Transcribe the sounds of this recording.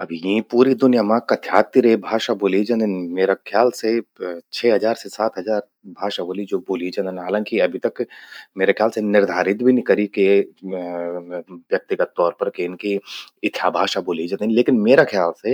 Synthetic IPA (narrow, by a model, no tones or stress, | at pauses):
ɐbʱjĩpuːɾid̪ʊnijamãkɐd̪ʰʱjaːt̪ːiɾeibʱaːʃaboːlid͡ʒɐ̃nd̪ɪnmeːɾakʰjaːlset͡ʃʰɛːɦɐzaːɾsesaːt̪ɦɐzaːɾ | bʱaːʃaboːlid͡ʒoːboːlid͡ʒɐ̃nd̪ɪnɦaːlãːŋkiɐbʱit̪ɐkmeːɾekʰjaːlsenɪɾd̪ʱaːɾɪt̪bʱinĩkɐɾike | ʋjɐk̚t̪ikat̪ːɔːɾpɐɾkeɪnkiɪt̪ʰːjabʱaːʃaboːlid͡ʒɐ̃nɪnleːkɪnmeːɾakʰjaːlse